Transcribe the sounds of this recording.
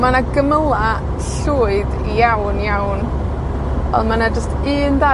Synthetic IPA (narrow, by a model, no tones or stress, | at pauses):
manaɡəməlˠa | ɬuːɨd | ijawnjawn | vɛ̰lˠmanad͡ʒəstɨːnda